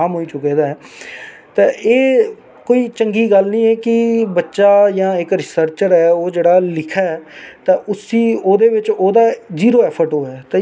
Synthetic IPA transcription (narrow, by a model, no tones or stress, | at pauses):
aːmɦoːiːt͡ʃʊkeːd̪aːɛː | t̪ẽːʔeː | koːiːt͡ʃəŋɡiːɡəlnĩːɛːkɪbətːʃaːjãːɪkɾɪsəɾt͡ʃəɾɛːoːd͡ʒeːɽaːlɪkʰɛːɛːt̪ãːʔʊsiːoːd̪eːʋɪt͡ʃoːd̪aːziːɾoːɛːpʰəɾʈɦoːɛːt̪ẽː